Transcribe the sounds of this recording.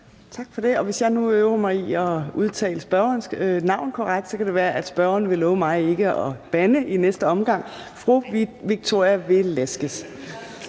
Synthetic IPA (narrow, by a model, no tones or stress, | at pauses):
t͡sʰɑ̈ɡ̥fɒ̽d̥e̝ɒ̽ʋe̝sjɑ̈ɪnuøʊɐmɑ̈ɪiɒ̽uð̞ˠt͡sʰɛ̰ːləsb̥ɶɐɐnnɑ̈ʊ̰nkʰɒʁaɡ̥̚d̥sɒ̽kʰæɾ̥e̝ʋæːɐʔæd̥sb̥ɶɐɐnəʋe̝lɔːʊmɑ̈ɪe̝ɡ̥əɒ̽b̥ænəʔinesd̥əɒ̽mɡ̥ɑ̈ŋ̰fʁuʋiɡ̥̚t͡sʰo̝ɐ̰jæʋe̝lesɡ̥əs